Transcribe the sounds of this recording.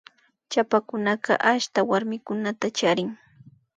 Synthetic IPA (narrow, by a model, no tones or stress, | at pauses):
t͡ʃapakʊnɑɢɑ̰ʔaʃt̪awaɾmɪkʊnat̪at͡ʃaɾɪŋ